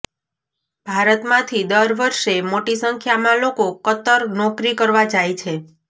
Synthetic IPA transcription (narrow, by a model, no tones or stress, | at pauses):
bʱaɾət̪mãt̪ʰid̪əɾʋəɾʃemoʈisəŋkʰjamãlokokət̪əɾnɔkɾikəɾʋad͡ʒajt͡ʃʰe